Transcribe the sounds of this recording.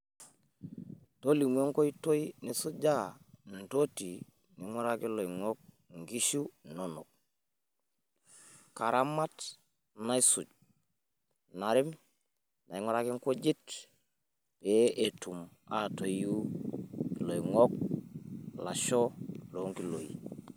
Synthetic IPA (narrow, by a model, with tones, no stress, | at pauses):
to˦li˨m˦e˦ŋko˦i˦to˦i˦ni˨su˦d͡ʒa˦n̩˨to˦ti˨ | ni˨ŋo˦ɾa˦ki˦lo˨i˨ŋo˦k̚ | ŋ˨ɡi˦ʃu˦no˨no˨k̚ | ka˨ɾa˦ma˦t | na˦i˦su˨ɟ̚ | na˨ɾi˦m | na˨i˦ŋo˦ɾa˦ki˦ŋku˦d͡ʒi˦t | b̥e˦e˨tu˨m | a˨to˨jju˦ | lo˨i˨ŋo˦k̚ | la˨ʃo˦lo˨˦ŋki˦lo̰˨ḭ˨